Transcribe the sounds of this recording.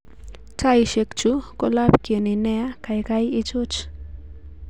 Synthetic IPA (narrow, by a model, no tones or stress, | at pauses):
kajʃekt͡ʃukolapkjonineakajkajit͡ʃʊt͡ʃ